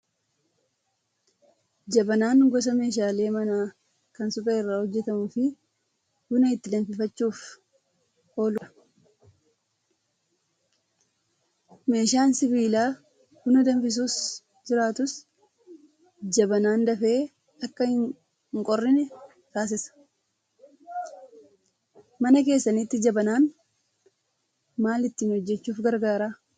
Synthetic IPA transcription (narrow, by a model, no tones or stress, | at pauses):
d͡ʒɐbɐnaːŋɡɔs̬ɐme̞ːʃ̬aːle̞ːmɐnaː | kɐnsʊpʼeːɪrːaːhɔd͡ʒːɛt̪ɐmuːfɪ | ɡ̥ʊnɐɪt̪ːɪd̪ɐmfɪfɐt͡ʃːuːf | ho̞ːlʊɐ | me̞ːʃaːnsɪbiːlaː | ɡ̥ʊnɐd̪ɐɱfɪs̬uːs | d͡ʒɪɾaːt̪ʊs | d͡ʒɐbɐnaːnd̪ɐfe̞ː | ɐkːɐhɪ | ŋkʼɔrːɪnɛ | t̪aːs̬ɪsɐ̥ | mɐnɐke̞ːsːɐnit̪ːɪd͡ʒɐbɐnaːn | maːlɪt̪ːiɪːnhɔd͡ʒːɛt͡ʃːuːfɡɐɾɡaːɾaː